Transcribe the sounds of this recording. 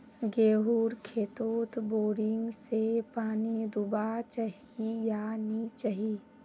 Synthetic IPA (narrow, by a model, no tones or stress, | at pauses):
ɡeːɦuːɾkʰeːt̪oːt̪boːɾɪŋɡsepaːnid̪ʊbat͡ʃaɦijanit͡ʃaɦiː